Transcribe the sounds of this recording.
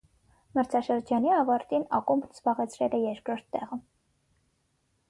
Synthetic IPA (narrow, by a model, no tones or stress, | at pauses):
məɾt͡sʰɑʃəɾd͡ʒɑniɑvɑɾt̪inɑ̰kumbnz̥bɑʁɛt͡sʰɾɛlɛjɛɾkʰɾɔɾt̪ːɛʁə